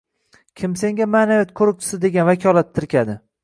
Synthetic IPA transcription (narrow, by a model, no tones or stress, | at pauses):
kʲʰɪmse̞ŋɡʲamaːnavjat̪̚kʰɵɾʊk̚t͡ʃʰɪ̥sɪd̪e̞ɡʲanvakʰʲɒlˠat̪ʰːɪɾkʲʰad̪ɪ